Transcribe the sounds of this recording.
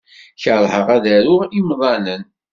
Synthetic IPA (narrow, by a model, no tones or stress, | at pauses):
çəɾˤhəʁæðæɾʊʁimðˤɑnən